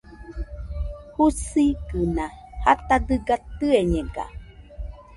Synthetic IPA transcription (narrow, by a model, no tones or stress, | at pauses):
husikɨnãhat̪ad̪ɨɡat̪ɨeɲẽɡa̰